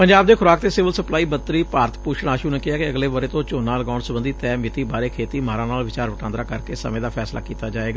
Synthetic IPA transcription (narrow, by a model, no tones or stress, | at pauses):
pəɲd͡ʒaːb̚d̪eːkʰʊɾaːkt̪eːsɪʋəlsəplaːiːbət̪ːɾiːpaːɾət̪puːʃɽ̃aːʃuːneːkɪɦaːkɪəɡleːʋəɾeːt̪õːt͡ʃoːnãːləɡaːʊɳɖsəbənd̪iːt̪ɛːmɪt̪iːbaːɾeːkʰeːt̪iːmaːɾãːnaːlʋɪt͡ʃaːɾʋəʈãːnd̪ɾaːkəɾkeːsə̰mẽːd̪aːpʰɛːsla̰ːkiːt̪aːd͡ʒaːeːɡaː